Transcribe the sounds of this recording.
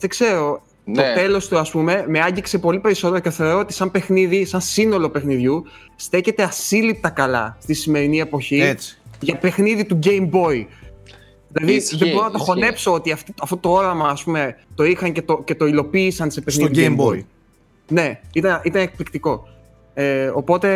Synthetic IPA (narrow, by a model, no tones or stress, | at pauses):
ðe̞ɡse̞ɾo̞ | t̪ot̪e̞lo̞st̪uɐspume̞me̞ɐɲɟikse̞po̞lipe̞ɾiso̞t̪e̞ɾoceθe̞o̞ɾo̞ot̪i̥sɐmpe̞xniðisɐnsino̞lo̞pe̞xniðʝu | st̪e̞çe̞t̪e̞ɐsilip̚t̪ɐkɐlɐ̰st̪isime̞ɾinie̞po̞çiet͡sʝɐpe̞xniðit̪uɟe̞jmbo̞i | ðilɐðiðeboɾonɐt̪o̞xo̞ne̞pso̞ot̪iɐft̪ɐft̪ot̪o̞o̞ɾɐmɐːspume̞t̪o̞ixɐŋce̞t̪oce̞t̪o̞ilo̞piːsɐnse̞pexniðiembo̰i | ne̞it̪ɐnit̪ɐne̞k̚plikt̪iko̞ | eopo̞t̪e̞